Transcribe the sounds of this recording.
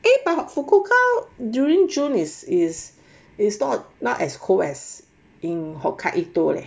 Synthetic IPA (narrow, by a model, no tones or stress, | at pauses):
ebahɔfukokʰadjuɹĩŋd͡ʒũnisis | isnɔt̚nɔʔɛskʰoɛs | ĩnhɔkʰaʔitola̰